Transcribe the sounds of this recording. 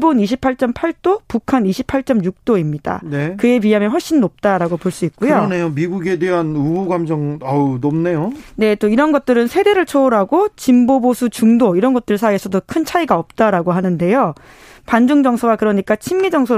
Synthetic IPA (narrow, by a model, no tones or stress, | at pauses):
boniɕʰipʰaɭt͡ɕ͈ʌmpʰaɭt͈opukʰaniɕʰi̥pʰaɭt͡ɕ͈ʌmjuk̚t͈oimɲid̥a̰nekɯe̞piɦameɸʌɭɕ͈innop̚t͈aɾaɡopoɭs͈uik̚k͈ujonejomiɡuɡe̞deɦanubuɡamd͡ʑʌŋanomnejone̞t͈oiɾʌnɡʌt̚t͈ɯɾɯnsʰe̞de̞ɾɯɭt͡ɕʰoːɾaɡot͡ɕimbobosʰut͡ɕuŋdoiɾʌnɡʌt͈ɯɭsʰaesʰʌdokʰɯnt͡ɕʰaiɡaʌp̚t͈aɾaɡoɦanɯnde̞jo | pand͡ʑuŋd͡ʑʌŋsʰoɡakɯɾʌɲik͈at͡ɕʰimɡid͡ʑʌŋsʰo